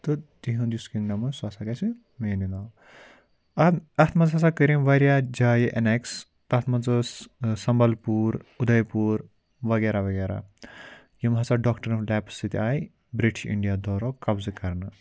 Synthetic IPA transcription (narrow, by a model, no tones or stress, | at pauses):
t̪ɨt̪iɦɐ̃nd̪juskiŋnɐmɐswaːsaɡɐsi | meːninaw | ɐɐt̪ʰmɐnzɦɐsakəɾimʋɐɾjad͡ʒaːjiʔɐneks | t̪ɐt̪ʰmɐnzɨssɐmbɐlpuːɾud̪ɐjpuːɾ | ʋɐɡeɾaʋɐɡeɾa̰ | jimɦɐt͡saɖɔkʈɐɾlɛpsɨt̪iaːj | bɾiʈʰḭɳɖijad̪ʱɔːɾɔkɐbzɨkɐɾnɨ